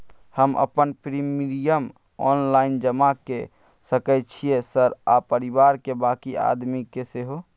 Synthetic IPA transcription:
həmə̰pənpɾimiɖijəm | ɔ̰ːnlaind͡ʒəmake | səkɛt͡ʃʰiesəɾa̰pəɾibaɾkebakia̰d̪mikeseɦo

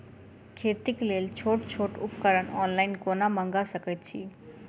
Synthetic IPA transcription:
kʰet̪iklelt͡ʃʰoʈt͡ʃʰoʈupkəɾənɔnlaɪnkonamə̃ŋɡasəkət̪̚t͡ʃʰḭ

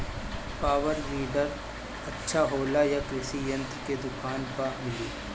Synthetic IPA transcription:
paːʋəɾliːɖəɾ | ɐtːʃʰaɦoːlajakɾɪsijɐ̃nt̪ɾked̪ʊkaːnpamɪliː

